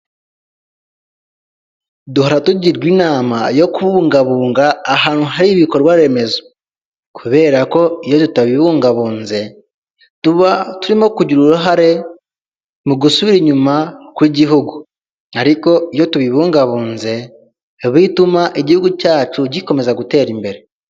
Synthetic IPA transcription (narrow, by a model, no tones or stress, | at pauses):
duhoɾatuɟiɾɡwiːnaːmajo̞kuβuːŋɡaβuːŋɡaːhaːnhuɦaɾiβiko̞ɾwaɾe̞me̞zo | kʰuβe̞ːɾako̞ijo̞tutaβiβuːŋɡaβuːnze̞ | tuβatuɾimo̞kuɟuɾuɾuɦaɾe̞ | muɡusuβiɾiɲumakwiːɟiɦuɡu | aɾiko̞ijotuβiβuːŋɡaβuːnze̞ | βitumaʔeɟihuɡucaːt͡ʃuɟiko̞me̞zaɡute̞ːɾimbe̞ɾe̞